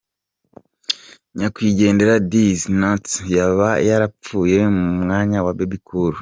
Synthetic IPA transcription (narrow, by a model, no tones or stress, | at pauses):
ɲakwiːɟe̞ːnde̞ɾadiznatjaβajaɾap͡fuːje̞mumŋaːɲawabebikʰuɾu